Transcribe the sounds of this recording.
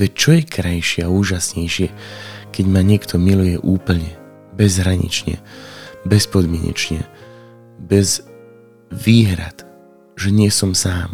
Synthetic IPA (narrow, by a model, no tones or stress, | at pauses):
ʋɛct͡ʃɔjɛkɾajʃɪɛauːʒasɲɛjʃɪɛkɛɟmaɲɪɛkt̪ʰɔmilujɛʔuːpl̩ɲɛ | bɛzɦɾaɲḭt͡ʃɲɛ̰bɛspɔd̪mɪɛ̰ɲɛ̰t͡ʃɲɛ̰ | bɛz | ʋiːɦɾa̰t̪ | ʒɛɲɪɛsɔmsaːm